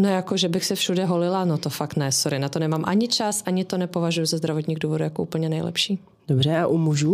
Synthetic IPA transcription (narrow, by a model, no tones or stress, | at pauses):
nojakoʒɛbɪxsɛfʃudɛɦolɪlanot̪ofakt̪nɛsoɾɪnat̪onɛmaːmʔa̰ɲɪt͡ʃasʔaɲɪt̪o̞nɛpo̞vaʒujuzazd̪ɾavot̪ɲiːɣduːvodujakoʔṵːpl̩ɲɛnɛjlɛ̰pʃiː | dobrɛaʔumuʒu